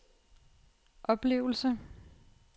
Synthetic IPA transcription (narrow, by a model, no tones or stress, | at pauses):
ʔɒ̽b̥le̝̰ːʊl̩sə